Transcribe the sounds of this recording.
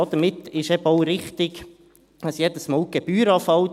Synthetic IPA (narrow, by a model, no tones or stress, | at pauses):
ɑd̥̪əɾmɪt̪ːɪʃɛbəɔʊɾɪχt̪ɪɡ | əsjɛdəsmɑːwɡ̥ɛb̥yːɾɑːfɑw